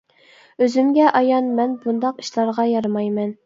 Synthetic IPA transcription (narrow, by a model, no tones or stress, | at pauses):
øzymɡʲɛʔɑjɑnmɛnbund̪ɑqi̥ʃlˠɑɾʁɑjɑɾmɑjmɛn